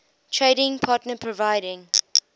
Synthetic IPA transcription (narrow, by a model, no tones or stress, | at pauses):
tʰɹeɾɪ̃ŋpʰɑːˑtnəpʰɹɔvaɪɾɪ̃ŋ